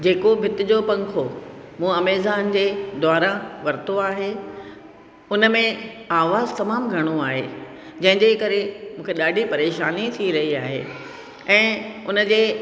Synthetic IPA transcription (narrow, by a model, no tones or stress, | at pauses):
d͡ʑeːkobʱɪt̪ɪd͡ʑopɐ̃ŋkʰomũːɐmeːzaːnd͡ʑeːd̪aːɾãʋɐɾɪt̪oaːɦe | ʊnəmẽaːʋaːzt̪ɐmaːmɡʱɐɽ̃oaːɦe | d͡ʑɐ̃ɦɪ̃ɲd͡ʑekɐɾemũːkʰeɗaːɖʱipɐɾeːʃaːnit̪ʰiɾɐɦiaːɦḛː | ɛ̃ːʊnə̆d͡ʑeː